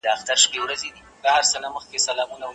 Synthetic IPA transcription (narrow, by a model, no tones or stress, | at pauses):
d̪əaxt̪aɾʃpewɾazed̪i | ɡahaɾsənaməxkesalɑmunaw